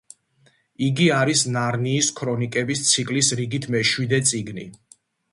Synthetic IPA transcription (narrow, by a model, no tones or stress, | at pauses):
iɡiaɾisnaɾniːskʰɾɔnikʼɛbist̪sʰikʼlisɾiɡit̪ʰmɛʃwid̪ɛt̪sʼiɡnḭ